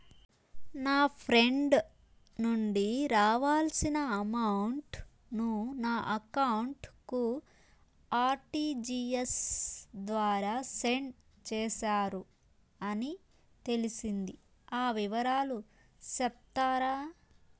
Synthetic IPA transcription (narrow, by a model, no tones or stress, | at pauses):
naːpʰɾe̞ɳɖ | nuɳɖiɾaːʋaːlsinɐɐmɐwɳʈ | nunaːʔɐkɐwɳʈku | aːɾʈiːd͡ʒiesd̪ʋaːɾaːseɳ | t͡ʃɛːʃaːɾu | ɐni | t̪e̞lisind̪i | aːʋiʋɐɾaːlu | sɛp̚t̪aːɾaː